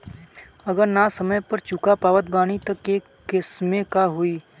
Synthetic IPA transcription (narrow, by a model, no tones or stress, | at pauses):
ɐɡəɾnasɐməjpɐɾt͡ʃʊkapaːʋət̪̚baːɽ̃it̪ɐkːekː | ɪsmẽkaɦʊiː